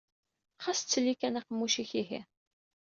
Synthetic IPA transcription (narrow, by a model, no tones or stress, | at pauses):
χast͡sːəlːikænæqəmːuʃiçiɦḭ